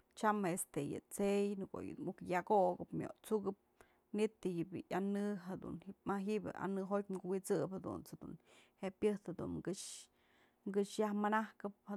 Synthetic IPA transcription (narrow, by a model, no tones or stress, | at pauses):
t͡ʃamaest̪ejɨ̰t͡sejnɨko̰jɨ̰mukjakoɡɨpmʲjo̰ʔt͡suɡɨp̚ | nit̪ɨjibɨjanɨɦad̪ṵnimaɦiʔbʲɨ̰ʔa̰nɨɦot̪̚ʲmɡuwit͡sɨphad̪ṵnt͡sad̪ṵnheʔpjɨht̪had̪ṵnɡɨʂ | ɡɨʂjahmanahkɨpha